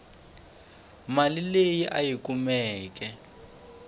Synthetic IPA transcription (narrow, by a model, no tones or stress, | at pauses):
malilejiʔajikumɛːk̬ɛ